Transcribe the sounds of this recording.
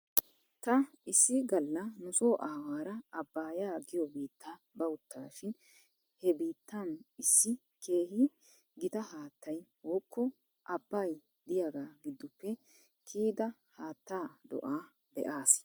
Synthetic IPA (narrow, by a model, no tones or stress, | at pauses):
t̪ɐ | ɪsːɪɡɐlːɐnʊsoːʔaːwaːɾɐɐbːaːjaːɡɪjɔbiːt̪ʰːaː | bɐʊt̪ːa̰ːʃɪn | hɛbiːt̪ːanɪsːɪ | kʰe̞ːɦɪ | ɡɪt̪ɐhaːt̪ːɐjwɔːkʰːɔ | ʔɐbːɐj | d̪ɪjaːɡaːɡɪd̪ːʊpːɛ | kʰiːd̪ɐ | haːt̪ːaːd̪ɔ̰ʔaː | b̥ɛ̰ʔaːs